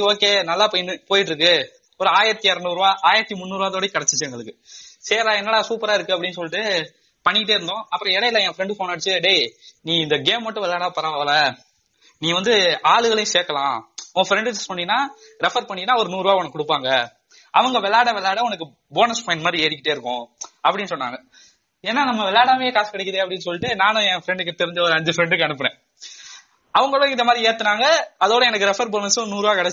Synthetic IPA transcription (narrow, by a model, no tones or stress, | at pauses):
oːkeːnɐlːaːpoːjpoːjɪʈːɾɯkːɯ | ɔɾɯaːjɪɾɐt̪ːiɐɾɐnuːɾɯʋaːʔaːjɪɾɐt̪ːimʊnːuːɾʋaːt̪oːɽɐj̃kɐɽɛt͡ʃːɪ̥t͡ʃːɐŋɡɐɭɯkːɯseːɾaːɛnːɐːɭaːsuːpɐɾaːɪɾɯkːɯɐpːɐɽɪnːsɔlːɪʈːɯ | pɐɳːɪkːɪʈːeːɾɯnd̪õːɐpːɯɾɔ̃ɛɽɐɪlːɐ̃ɛ̃ːfɾɛɳɖɯfoːnaːɽt͡ʃːɯɖeniːɪnd̪ɐɡeːmːɐʈːɯ̃ʋɛlːaːɽaːpɐɾɐʋʋɐlɐ | nĩːʋɐnd̪ɯaːɭɯɣɐɭɐjʊ̃seːkːɐlãːɔ̃ɡɐfɾɛɳɖɯt̪ːɯsɔnːɪnːaː | ɾɛfɐɾpɐɳːɪnːaːɔɾɯnuːɾɯʋaːʋɐnɐkːʊɽɯpːaːŋɡɐ | ɐʋɐŋɡɐʋɛlːaːɽɐʋɛlːaːɽɐɔnɐk̬ːɯ | boːnɐspɐɪnmaːd̪ɾieːɽɪkːɪʈːeːɪɾɯkːʊ̃ɐpːɐɽɪnːɯsɔnːa̰ːŋɡɐ | eːnːaːnɐmːɐʋɛlːaːɽaːmeːkaːskːɐɽɛkːɐðeːɐpːɐɽɪnːɯsɔlːɪʈːɯnaːnʊ̃ɛ̃ːfɾɛɳɖɯk̬ːɯt̪ɛɾɪɲd͡ʒɐɔɾɯɐɲd͡ʒɯfɾɛɳɖɯkːɐɳɯpːɐɳẽː | ɐʋɐŋɡɐɭõɪnd̪ɐmaːd̪ɾieːt̪ːɯnaːŋɡɐɐðoːɽɐɛnɐkːɯɾɛfɐɾboːnɐsnuːɾɯʋaːkɐɽɛt͡ʃː